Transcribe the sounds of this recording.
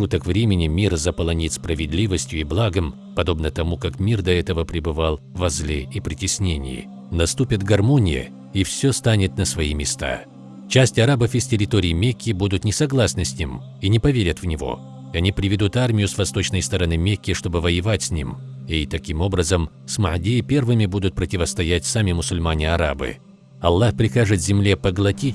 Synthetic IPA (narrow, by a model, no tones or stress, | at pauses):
ʂut̪əkvɾʲemʲɪnʲɪmʲirzəpəlˠɐnʲit̪ʲspɾəvʲɪd̪lʲivəsʲtʲjʊiblˠaɡəm | pɐd̪o̞bnət̪ɐmukakmʲird̪ɐɛt̪əvəpɾʲɪbɨvalˠvɐzlʲeipɾʲɪtʲɪsʲnʲenʲɪ̰jɪ̰ | nɐst̪upʲɪt̪ɡɐrmo̞nʲɪjə̰ | ifsʲost̪anʲɪt̪nəsvɐimʲɪst̪a̰ | t͡ɕæsʲtʲɐɾabəfɪsʲtʲɪɾʲɪt̪oɾʲɪɪmʲekʲːɪbud̪ʊt̪nʲɪsɐɡlˠasnɨsʲnʲim | inʲɪpɐvʲeɾʲət̪vnʲɪvo̞̰ | ɐnʲipɾʲɪvʲɪd̪ut̪armʲɪjʊsvɐst̪o̞t͡ɕnəjst̪əɾɐnɨmʲekʲːɪʂt̪o̞bɨvəjɪvatʲsʲnʲḭm | it̪ɐkʲimo̞bɾəzəm | smɐʕdʲijɪpʲe̞rvɨmʲɪbud̪ʊt̪̚pɾətʲɪvəst̪ɐjætʲsamʲɪmʊsʊlʲmanʲɪɐɾa̰bɨ̰ | ɐlˠːaxpɾʲɪxaʐɨt̪zʲɪmlʲepəɡlˠɐtʲitʲ